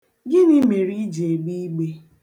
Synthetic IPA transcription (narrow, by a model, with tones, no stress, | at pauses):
ɡɪ˦nɪ˦me˨ɾi˦d͡ʒe˨ɡ͡bi˦ɡ͡be˦